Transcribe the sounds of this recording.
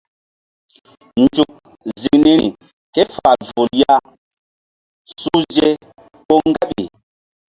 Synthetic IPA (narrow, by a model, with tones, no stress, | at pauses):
nd͡ʒu˨k̚ | zi˨ŋni˦ɾḭ˨ | ke˦fa˨lvo˨lja˦ | su˦d͡ʒe˦ | ɓo˦ŋɡa˦ɓi˨